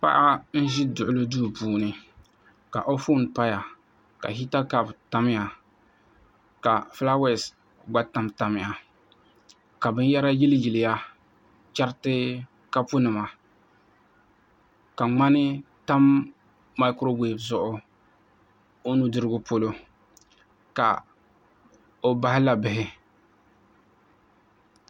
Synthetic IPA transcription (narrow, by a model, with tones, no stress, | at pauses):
pa̰˦ʔa˦n̩˦ʒɪ˦dʊ˨ʔʊ˦lɨ˦duː˦˨puː˨nɨ˨ | ka̰˨ʔo˦fo˦˨npa˦ja˨ | ka̰˨ɦi˦ta˦ka˦˨bta˦mɪ˦ja˨ | ka˨fla˦wɛ˦˨s | ɡ͡ba˦ta˦mta˨mɪ˨a˨ | ka˨bɨ˦n˦ja˦ɾa˦ji˦lji˨lɪ˨ja˦ | t͡ʃa˦ɾɪ˦tɨ˦ | ka˦pʊ˦nɨ˨ma˨ | ka˨ŋ͡ma˦nɪ˦ | ta˦mː | a˦kʊ˦ɾo˦be˨bzʊ˨ʔʊ˦ | o˦nu˦dɨ˦ɾɨ˦ɡʊ˦po˦lo˦ | ka̰˨ | o˦ba˦hɪ˦la˨bɪ˨ɦɪ˦